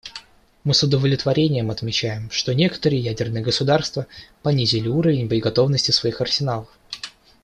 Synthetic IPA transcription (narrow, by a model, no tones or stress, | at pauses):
mɨsʊd̪əvəlʲɪt̪vɐɾʲenʲɪjəmɐt̪mʲɪt͡ɕæjɪmʂt̪o̞nʲe̞kə̥t̪əɾɨjəjædʲɪrnɨjəɡəsʊd̪arst̪vəpɐnʲizʲɪlʲɪuɾəvʲɪnʲbəɪɡɐt̪o̞vnəsʲtʲɪsvɐixɐrsʲɪnalˠəf